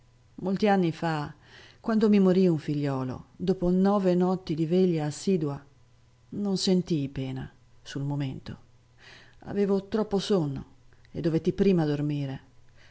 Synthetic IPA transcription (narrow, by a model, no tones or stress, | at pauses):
molt̪ianːifa | kwand̪omimoɾiuɱfiʎːɔːlo̰d̪oːponɔːvenɔt̪ːid̪iveʎːaːsːiːd̪ua | nonsent̪ijpeːna̰ | sulmoment̪o̰ | a̰veːvot̪ɾɔpːosonːo̰ḛd̪ːovet̪ːipɾiːmad̪ormiːɾe